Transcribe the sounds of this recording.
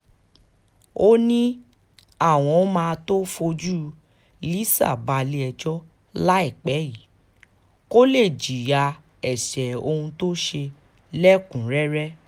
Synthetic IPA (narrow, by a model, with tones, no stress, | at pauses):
o˦nĩ˦ | a˦˨w̃ɔ̃˧˦mãː˧to˦fo˧d͡ʒu˦ | li˦sa̰˦˨ba˧li˧˦ɛ˧d͡ʒɔ˦ | la˦ɛ˦˨k͡pɛ˨˦ji˨˦ | ko˦le˦˨d͡ʒi˨ja˧ | ɛ˨ʃɛ˨o˧hũ˧to˦ʃe˧ | lɛ˦kũ˨ɾɛ˦ɾɛ˦